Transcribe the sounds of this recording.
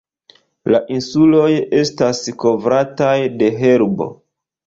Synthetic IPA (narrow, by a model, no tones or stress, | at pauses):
laʔinsulo̞je̞stasko̞vɾatajde̞ɦe̞ɾbo̞̰